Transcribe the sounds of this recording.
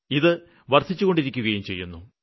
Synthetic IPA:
iðɨ | ʋɐrt̪ʰit͡ɕːuɣo̞ɳɖiɾikʲːuɣɐjumt͡ɕe̞̰jːunːu

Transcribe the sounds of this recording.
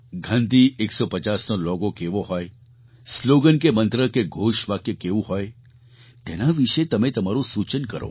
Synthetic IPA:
ɡʱənd̪iʔeksɔpət͡ʃasnolɔɡokeʋoɦɔj | sloɡənkemə̃nt̪ɾəkeɡʱoʃʋakjəkeʋũɦɔj | t̪enaʋiʃet̪əmẽt̪əmaɾũsut͡ʃənkəɾo̰

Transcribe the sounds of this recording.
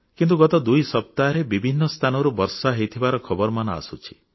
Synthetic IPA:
kint̪uɡɔt̪ɔd̪ujsɔp̚t̪aɾebibʱinːɔst̪ʰanɔɾubɔɾsaɦejt̪ʰibaɾɔkʰɔbɔɾmanɔa̰sut͡ʃʰi̥

